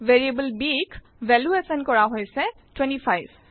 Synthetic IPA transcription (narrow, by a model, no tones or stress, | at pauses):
ʋeɾiebəlbik | ʋeluesənkɔɽaɦojse | ʈwẽnʈipʰajʋ